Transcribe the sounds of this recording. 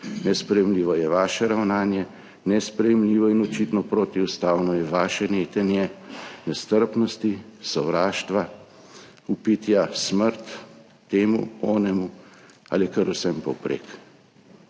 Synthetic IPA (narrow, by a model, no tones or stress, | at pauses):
nɛspɾɛjɛmliːʋɔjɛʋaːʃɛɾawnaːnjɛ | nɛspɾɛjɛmliːʋɔinɔt͡ʃit̪nɔpɾoːt̪iust̪aːwnɔjɛʋaːʃɛneːt̪ɛnjɛnɛst̪əɾpnɔst̪isɔʋɾaːʃt̪ʋa | upit̪jasməɾt̪ː | eːmṵɔːnɛmu | a̰ːlikəɾusɛmpɔwpɾḛːk